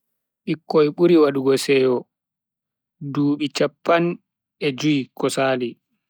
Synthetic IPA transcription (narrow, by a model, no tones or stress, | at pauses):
ʔikːɔjɓuɾiwaɗuɡɔsɛːjɔ | duːɓit͡ʃapːan | ɛd͡ʒuikɔsaːli